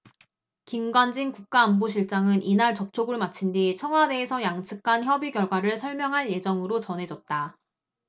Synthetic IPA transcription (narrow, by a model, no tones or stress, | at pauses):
kimɡwand͡ʑiŋkuk̚k͈aːnboɕʰiɭt͡ɕ͈aŋɯnʔinaɭt͡ɕʌp̚t͡ɕʰoɡɯɭmat͡ɕʰindit͡ɕʰʌŋɦwade̞ːsʰʌjaŋt͡ɕʰɯk̚k͈ʰançjʌbiɡjʌɭɡwaɾɯɭsʰʌɭmjʌŋɦaɭje̞d͡ʑʌŋɯɾot͡ɕʌnɦe̞d͡ʑʌt̚t͈a